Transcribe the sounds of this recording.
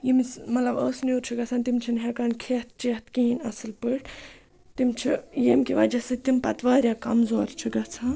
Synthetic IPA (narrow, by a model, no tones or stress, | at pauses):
jimismɐt̪lɐbəːsnjuːɾt͡ʃʰiɡɐt͡sʰaːnt̪imt͡ʃʰinɦekaːnkʰeːt̪̚t͡ʃeːt̪kĩːinɐsɨlpɨɽ | t̪imt͡ʃʰijemkʲiʋɐd͡ʒɐsɨt̪impɐt̪ʋaːɾjaːkɐmzoːɾt͡ʃʰiɡɐt͡sʰaː